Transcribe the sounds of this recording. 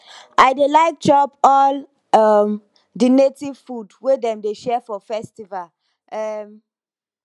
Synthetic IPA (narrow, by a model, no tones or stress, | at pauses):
ʔaɪdelaɪk̚d͡ʒɔpɔl | ʌm | dinetiv̥fudwedɛ̃mdeʃɛfɔfɛstival | ɛm